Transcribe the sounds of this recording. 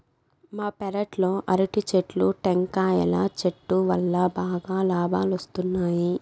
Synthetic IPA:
maːpɛɾɐʈlo̞ːʔɐɾiʈit͡ʃeʈluʈeŋkaːjɐ̰la̰t͡ʃeʈːuʋɐlːɐbaːɡaːlaːbʱaːlɐst̪unːaːji

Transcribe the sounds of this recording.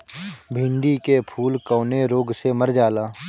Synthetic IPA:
bʱɪ̃ɳɖikepʰuːlkɔːneɾoːɡseməɾd͡ʒaːlaː

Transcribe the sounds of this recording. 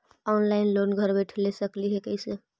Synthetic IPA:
ɔnlaɪnlonɡʱəɾbəʈʰlesəkliɦekəjse

